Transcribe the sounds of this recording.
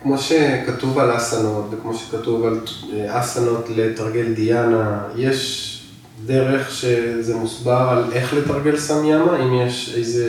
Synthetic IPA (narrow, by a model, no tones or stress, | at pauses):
kmo̞ʃe̞kat̪uvalasano̞t̪vekmo̞ʃe̥katuvalasano̞tletaʁɡe̞ld̪ijanaje̞ʃ | deʁe̞χʃe̞zemusbaʁaleχlet̪aʁɡe̞lsamjamaimjeʃejze